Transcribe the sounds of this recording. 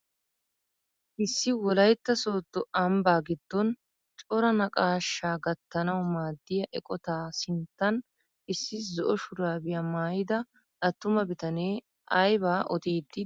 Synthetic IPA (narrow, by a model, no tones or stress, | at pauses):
ʔɪsːɪwɔlɐjt̪ːɐso̞ːt̪ːɔɐmbaːɡɪd̪̥ːɔn | t͡ʃʼɔɾɐnɐkʼaːʃːaːɡɐt̪ːɐnɐwmaːd̪ːɪjɐʔɛkʼɔt̪aːsɪnt̪ːɐn | ʔɪsːɪzɔʔɔʃʊɾaːbɪjɐmaːjɪd̪ɐ | ʔɐt̪ːʊmɐbɪt̪ɐneː | ʔɐjbaːʔɔt̪iːd̪ːɪ